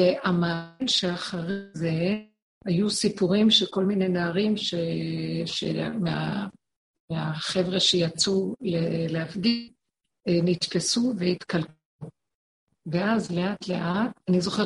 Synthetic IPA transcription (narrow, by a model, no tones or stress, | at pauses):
eʔamanʃeaχaʁze | hajusipuʁimʃeko̞lminejnaːʁimʃeʃḛmea̰ | meaχe̞vʁeʃejat͡suleleafɡi | nit̪pesuveit̪kalk | u | veazle̞atle̞ʔat̚anizo̞χe